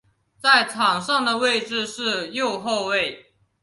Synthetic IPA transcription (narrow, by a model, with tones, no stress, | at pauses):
t͡sa˥˩ɪʈ͡ʂʰɑ˨˩ŋʂɑ˥˩ŋd̪ə˩we˥˧ɪʈ͡ʂɻ̩˥˧ʂɻ̩˥˧jo˥˨˧ʊxo˥˧ʊwe˥˨ɪ